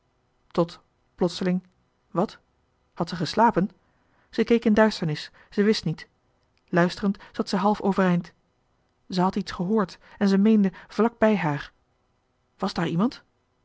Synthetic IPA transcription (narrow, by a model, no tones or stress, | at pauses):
tɔt | plɔtsəlɪŋ | ʋɑt | hɑtsəχəslaːpən | z̥əkejkɪndœɥstəɹnɪs | z̥əʋɪstnit | lœɥstərəntz̥ɑtsəɦɑlˠfowvərɛjnt | zəɦɑtitsχəɦʊːɹtɛnzəmejndəv̥lɑɡ̚bɛjɦaːɹ | ʋɑzdaːɹimɑnt